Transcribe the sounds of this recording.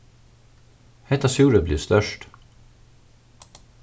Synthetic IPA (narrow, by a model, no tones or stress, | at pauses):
hɛt̪ɑsjuːɾəblḭːst̪œʃʈ